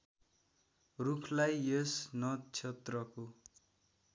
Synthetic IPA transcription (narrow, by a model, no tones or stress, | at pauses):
rukʰlajesnʌt͡sʰet̪rʌko